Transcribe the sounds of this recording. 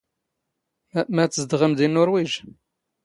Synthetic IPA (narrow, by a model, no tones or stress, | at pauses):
mæt͡sːəzd̪ʁəmd̪inːʊɾwiʒ